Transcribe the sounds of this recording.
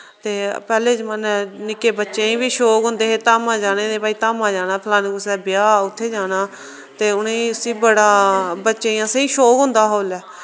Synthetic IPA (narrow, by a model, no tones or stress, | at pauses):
t̪eːpɛːleːd͡ʒmənnɪkeːbətːʃẽːĩːbiːʃoːkɦʊ̃nd̪eːɦeːt̪aːmãːd͡ʒaːnẽːd̪eːpaːiːt̪aːmãːd͡ʒaːnaːpʰɪlãːnkʊsɛːbɪjaːʊt̪ʰːeːd͡ʒaːnaː | t̪eːʊnẽʊsĩːbəɽaːbətːʃeːjãːseiːʃoːkɦʊ̃nd̪aːɦoːlɛː